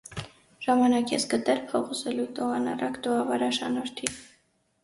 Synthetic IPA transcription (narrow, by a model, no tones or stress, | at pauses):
ʒ̥ɑmɑnɑkjɛsɡət̪ɛlpʰɔʁuzɛlut̪ɔɑnɑ̰rɑkt̪ɔɑvɑɾɑʃɑnɔɾt̪ʰi